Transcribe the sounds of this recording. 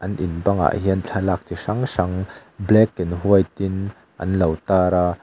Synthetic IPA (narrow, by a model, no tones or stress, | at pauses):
ʔɐnʔɪnbɐŋa̰ʔɦiɐnt͡ɬʰɐlaːk̚t͡siʂɐŋsɐŋblɛkːinɦuəjt̪ɪn | ʔɐ̰nlɐwt̪aːɾa